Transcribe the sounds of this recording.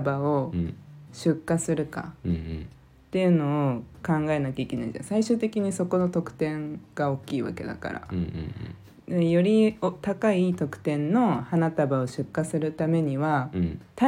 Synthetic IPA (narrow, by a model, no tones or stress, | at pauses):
bao̞ | ɕɨkːasɨɾɯ̟ka̰ | t̪ːe̞jɯ̟no̞ːkãŋɡae̞nakʲaikʲe̞naḭ̃d͡ʑã̰saiɕɨːt̪e̞kʲiɲ̟iso̞ko̞no̞t̪o̞kɯ̟̥t̪ẽ̞ŋɡ̥ao̞kʲːiːβa̰ke̞̰d̪a̰ka̰ɾa̰ | d̪ejo̞ɾʲiot̪akait̪o̞kɯ̟̥t̪ẽ̞nːo̞hanat̪abao̞ɕɨkːasɨɾɯ̟t̪ame̞ɲ̟iβat̪a